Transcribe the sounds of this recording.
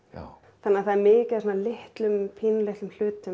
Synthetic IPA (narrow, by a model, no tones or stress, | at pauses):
θanːaθaðɛɾmɪːcaðsɔnːalɪht̪lʏmpʰiːnlɛht̪ʏml̥ʏːt̪ʏ